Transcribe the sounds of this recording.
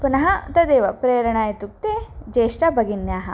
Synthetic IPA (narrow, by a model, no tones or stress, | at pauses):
punɐɦɐt̪ɐd̪eːʋɐpɾeːjɾɐɳaːjɐt̪uk̚t̪eːd͡ʒeːʂʈɐbʱɐɡinjaːɦɐ̰̆